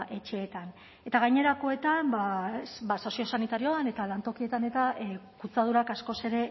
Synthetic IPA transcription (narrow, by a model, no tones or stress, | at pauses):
ʔe̞t͡ʃe̞ːt̪an | e̞t̪aɣajɲe̞ɾako̞e̞t̪ambabasosio̞sanit̪aɾioane̞t̪alant̪o̞kie̞t̪ane̞t̪akut͡sað̞uɾakasko̞se̞ɾe̞